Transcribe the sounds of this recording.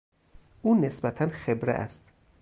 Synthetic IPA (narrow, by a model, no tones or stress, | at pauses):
ʔuːnesbæt̪ʰænxebɾḛʔæ̰st̪